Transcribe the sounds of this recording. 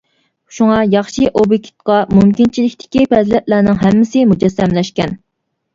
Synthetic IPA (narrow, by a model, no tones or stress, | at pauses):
ʃuŋɑjɑχʃiʔobjikʲʰi̥t̪̚qɑmumkʲint͡ʃʰilɪkʲt̪ʰɪ̥kʲipɛzlɛp̚lænɪŋɦɛmːɪsɪmud͡ʒɛsːɛmlɛʃkʲɛn